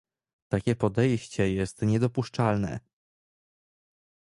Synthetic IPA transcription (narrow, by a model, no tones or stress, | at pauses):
t̪akʲɛpɔd̪ɛjɕt͡ɕɛjɛst̪ɲɛd̪ɔpuʂt͡ʂalnɛ̰